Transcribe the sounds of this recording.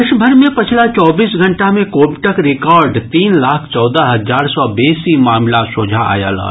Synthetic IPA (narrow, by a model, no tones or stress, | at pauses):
ɪʃbʱəɾmẽpɐt͡ʃʰlat͡ʃɔːbiːsɡʱə̃ɳʈamẽkoːbʈəkɾɪkɔːɾɖt̪iːnlaːkʰt͡ʃɔːd̪aɦɐzaːɾsɔbeːsimaːmlasod͡ʒʱaa̰ːja̰la̰ː